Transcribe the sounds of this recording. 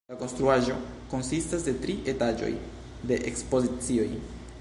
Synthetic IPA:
ako̞nst̪ɾuaʒo̞ | ko̞nsistasde̞tɾiʔe̞tad͡ʒo̞̰j | de̞ʔekspo̞zit͡sio̞j

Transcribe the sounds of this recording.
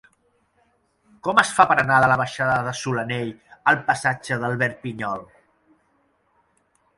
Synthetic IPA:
kɔməsfapəɾənaðələβəʃaðəðəsuləneʎəlˠpəsad͡ʒəðəlˠβɛɾ̚piɲɔlˠ

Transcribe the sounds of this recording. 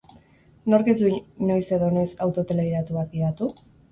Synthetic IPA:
no̞ɾkezuno̞jse̞ðo̞ne̞sawt̪o̞t̪e̞leɣiðat̪uak̚ɡiðat̪u

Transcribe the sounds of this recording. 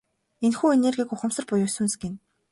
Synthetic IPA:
enxuːenerɡʲiːɡʊχə̆m̥sə̆rpʊjʊːsŭnsɡen

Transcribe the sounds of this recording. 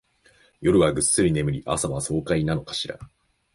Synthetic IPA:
jo̞ɾɯ̟βaɡɯ̟sːɨɾʲine̞mɯ̟ɾʲiʔa̰samaβaso̞ːkainano̞kḁɕiɾa̰

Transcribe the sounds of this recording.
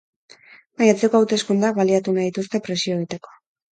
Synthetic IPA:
majat͡se̞ko̞awt̪e̞skund̪ak̚βaliat̪unaðit̪ust̪e̞pɾe̞sio̞eɣit̪e̞ko̞̥

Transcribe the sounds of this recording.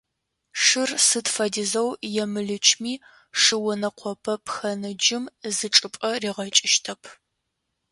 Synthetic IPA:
ʂɨrsɨtfɐdizɐwjɛmɨɮɨt͡ʃʰmiː | ʂɨwʊnɐqʷɔpʰɐpxɐnɨd͡ʒɪmzɨʈ͡ʂʼɨpʷʼɐriːʁɐt͡ʃʼɪʃtʰɐpʰ

